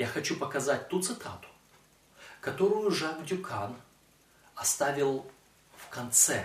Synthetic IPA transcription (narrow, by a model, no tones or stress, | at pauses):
jaxɐt͡ɕupəkɐzat̚ʲt̪ut̪sɨt̪ʰat̪ʊ̥ | kɐt̪o̞ɾʊjʊʐavdʲʊkʰan | ɐst̪avʲɪlˠ | fkɐnt̪sɛ